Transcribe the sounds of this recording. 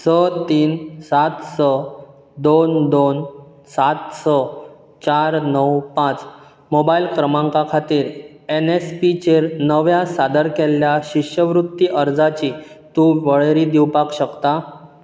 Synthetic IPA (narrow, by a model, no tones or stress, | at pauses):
sət̪iːnsat̪sə | d̪ond̪on | sat̪sə | t͡ɕaɾnəwpãt͡s | mobailkɾəmãŋkakʰat̪iːɾ | enespit͡ɕeɾnəʋjasad̪əɾkɛljaɕiɕjəʋɾut̪ːiʔəɾd͡zat͡ɕiː | t̪ũʋəɭɾiːd̪iwpakɕəkt̪a